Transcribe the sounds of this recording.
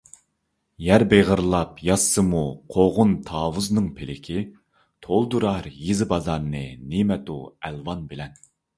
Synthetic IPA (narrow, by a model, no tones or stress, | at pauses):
jæɾbeʁəɾlˠɑpjɑsːɨmuqʰoʁʊnt̪ʰɑːwuznɨŋpʰelɪkʲʰi | t̪ʰolˠd̪uɾɑɾjizɪbɑzɑɾnɨnimɛt̪ṵælvɑnbɪlɛn